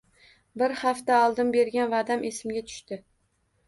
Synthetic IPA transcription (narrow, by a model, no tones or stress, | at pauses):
bɪɾhaft̪aɒlˠd̪ɪnbe̞ɾɡʲanvad̪amʔesɪmɡʲat̪ʰʊ̥ʃt̪ɪ